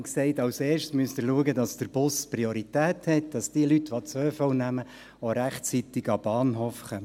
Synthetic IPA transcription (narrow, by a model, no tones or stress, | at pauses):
ksɛɪtɑwseːɾʃtsmyəst̪əɾluəɡədɑsd̥əɾb̥ʊsprioɾitæːthɛt̚d̥ɑsd̥iəlytːʋot͡søːfɔwnæmə | oɾæχt͡sit̪ɪɡɑb̥ɑːnɦoːfχœmə